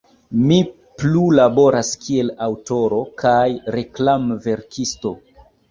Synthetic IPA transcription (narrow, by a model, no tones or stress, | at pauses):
mi | plulabo̞ɾaskʰie̞lawto̞ɾo̞kʰajɾe̞klamve̞ɾkisto̞